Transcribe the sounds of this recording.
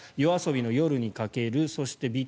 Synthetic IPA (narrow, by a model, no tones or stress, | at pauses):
jo̞aso̞bʲino̞jo̞ɾɯ̟ɲ̟ikake̞ɾɯ̟so̞ɕi̥t̪e̞bʲi